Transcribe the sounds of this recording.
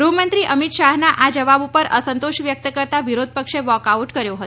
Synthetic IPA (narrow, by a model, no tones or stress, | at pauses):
ɾuɦmənt̪ɾiʔəmit̪ʃaɦnaʔad͡ʒəʋabupəɾʔəsənt̪oʃʋjək̚t̪əkəɾt̪aʋiɾod̪̚ʱpəkʃeʋɔkauʈkəɾjoɦət̪